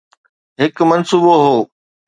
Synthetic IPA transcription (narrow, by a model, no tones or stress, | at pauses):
ɦɪkmɐnsuːboɦoː